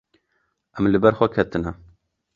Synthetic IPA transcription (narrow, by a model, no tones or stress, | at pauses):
ʔɛmlɨbɛɾxʷɛkʰɛt̪ɨnɛ